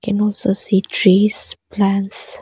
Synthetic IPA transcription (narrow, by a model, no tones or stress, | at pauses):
kʰɛ̃nɔlsositʰɹisplãns